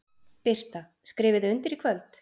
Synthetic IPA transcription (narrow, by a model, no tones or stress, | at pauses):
pɪr̥t̪a | skɾɪːvɪðɪʏnt̪ɪɾikʰvœlt̪